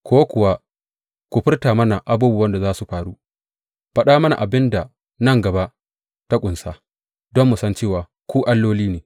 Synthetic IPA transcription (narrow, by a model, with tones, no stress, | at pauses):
kʰʷoː˦kʷʊ˨wa˦ | kʷu˨ɸɪ˦rtaː˨mɐ˦na˨ʔa˨buː˦bu˨wɐ˦nda˨zaː˦su˨ɸaː˨ɽu˦ | ɸɐ˦ɗaː˦mɐ˦na̰˨ʔa˨bɪ˦nda˨ | nɐ˦˨ŋɡɐ˨ba˦ʔ | ta˦kʷʼʊ˨nsaː˦ | dɔ˦mːu˨sɐ˦nt͡ʃeː˦˨waː˨ | kʷuː˦ʔa˦lːoː˦liː˦neː˨